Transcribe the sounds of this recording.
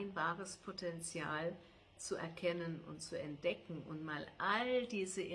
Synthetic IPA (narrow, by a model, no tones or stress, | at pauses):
ɪnbaːʁəspʰotʰɛnt͡sjaːl | t͡suʔɛ̰ɐkʰɛnənʊ̰ntt͡suɛnt̚d̥ɛkŋ̩ʊ̰ntmaːlʔaldiːzəʔɪ